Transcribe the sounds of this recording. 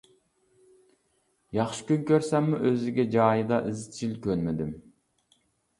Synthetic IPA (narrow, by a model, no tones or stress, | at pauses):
jɑχʃɨ̥kʲynkʲøɾsɛmːuʔøzɪɡʲɛd͡ʒɑːjɨd̪ɑʔɨzt͡ʃʰilkʲʰønmɪd̪ɪm